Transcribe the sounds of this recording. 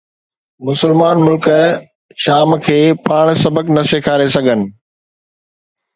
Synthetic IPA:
mʊsəlmaːnmʊlkə | ʃaːmkʰeːpaːɽ̃sɐbəknɐsekʰaːɾesɐɡʱənɪ̆

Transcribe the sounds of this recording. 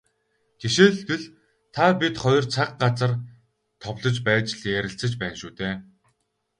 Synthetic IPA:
ɡ̥eʃeːɮɡɘ̆ɮ | t̪ʰapʲit̪χɔj̆rt͡sʰaqɢat͡sə̆r | t̪ʰɔwɮɞ̆t͡ɕpæːt͡ɕɮjæɾʲɪ̆ɬt͡sə̆t͡ɕpæːnʃuːt̪eː

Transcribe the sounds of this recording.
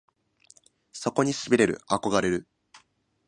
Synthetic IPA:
so̞ko̞ɲ̟isɨbʲiɾe̞ɾɯ̟̰ako̞ɡaɾe̞ɾɯ̟

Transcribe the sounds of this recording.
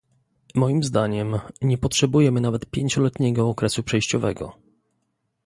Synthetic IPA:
mɔjimzd̪aɲɛmɲɛpɔtʂɛbujɛmɘnavɛt̪pʲjeɲt͡ɕɔlɛt̪ɲɛɡɔːkɾɛsupʂɛjɕt͡ɕɔvɛ̰ɡɔ̰

